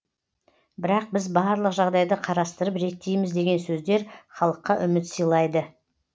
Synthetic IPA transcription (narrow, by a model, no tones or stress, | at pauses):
bɪɾɑq̚bɪzbɑɾlˠəqʒɑʁd̪ɑjd̪əqʰɑɾɑst̪əɾəpɾe̞t̪ːe̞jmɪzd̪e̞ɡʲe̞nsɵzd̪e̞ɾχɑlˠəqːɑʔʏmɪt̪səjlˠɑjd̪ə